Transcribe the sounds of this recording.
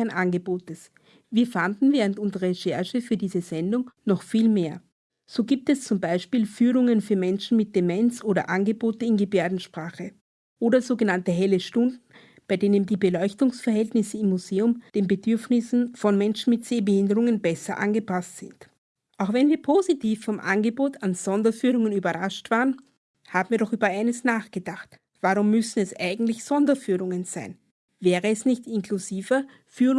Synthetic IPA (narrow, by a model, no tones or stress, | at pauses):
nʔanɡəboːtəs | viːɐfandn̩vɛːʁəntʊnzəʁɐʃɛɐʃəfyːɐdiːzəzɛndʊŋnɔχfiːlmeːɐ | z̥oːɡiːp̚tɛst͡sʊmbaɪʃpiːlfyːʁʊŋənfyːɐmɛnʃn̩mɪt̚d̥emɛnsʔoːdɐ̰ʔanɡəboːtəɪnɡəbeːɐdn̩ʃpʁ̥aːχə | ʔoːdɐzoːɡənantəɦɛləʃtʊndn̩ | b̥aɪdeːnəndiːbəlɔʏçtʊŋsfɛɐɦɛltnɪsəɪmːuzeːʊmd̥eːnbəd̥ʏɐfnɪsn̩fɔnmɛnʃn̩mɪtz̥eːbəhɪndəʁʊŋənbɛsɐʔa̰nɡəpastz̥ɪ̰nt | ʔaʊxv̥ɛnviːɐpʰozitiːfːɔmʔa̰nɡəboːtanz̥ɔndɐfyːʁ̞ʊŋənyːbɐʁaʃtv̥aːʁən | haːbm̩viːɐɾɔχʔyːbɐʔaɪnəsnaːχɡ̥ədaχt | v̥aʁʊmːʏsn̩ɛsʔa̰ɪɡŋ̩tlɪçz̥ɔndɐfyːʁʊŋənz̥aɪn | vɛːʁəɛsnɪçtɪnkʰluziːvɐ | fyː